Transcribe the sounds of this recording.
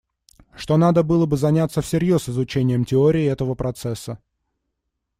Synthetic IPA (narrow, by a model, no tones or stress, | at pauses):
ʂt̪o̞nad̪əbɨlˠəbɨzɐnʲat̪səfsʲɪɾʲjo̞sɨzʊt͡ɕenʲɪjəmtʲɪoɾʲɪːɛt̪əvəpɾɐt̪sɛsːə